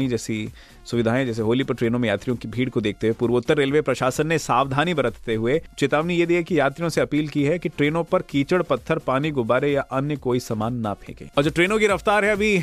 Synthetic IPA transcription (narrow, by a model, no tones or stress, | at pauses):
id͡ʒɛːsi | sʊʋɪd̪ʱaːẽd͡ʒɛːs̬eɦoːlipɐɾʈɾeːnõmẽjaːt̪ɾijõkibʱiːɽkod̪eːk̚t̪eɦepuːɾʋʊt̪ːəɾːeːlʋepɾɐʃaːsənːesaːʋd̪ʱaːnibɐɾət̪ʰt̪eɦʊet͡ʃɪt̪aːʋnijed̪iːɛkijaːt̪ɾijõseɐpiːlkiɦɛkiʈɾeːnõpɐɾkiːt͡ʃəɽpɐt̪ʰːəɾpaːniɡʊbaːɾejaʔɐnjəkoːisɐmaːnːapʰḛ̃ːkḛ̃ːɔːɾd͡ʒoːʈɾeːnõkiɾɐft̪aːɾɦɛɐbʱi